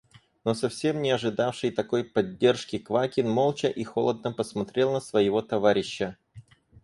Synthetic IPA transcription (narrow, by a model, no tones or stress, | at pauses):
no̞sɐfsʲe̞mnʲɪɐʐɨd̪afʂɨjt̪ɐko̞jpɐdʲːe̞rʂkʲɪkvakʲɪnmo̞lˠt͡ɕəʔixo̞lˠəd̪̚nəpəsmɐt̪ɾʲe̞lˠnəsvəjɪvo̞t̪ɐvaɾʲɪɕːə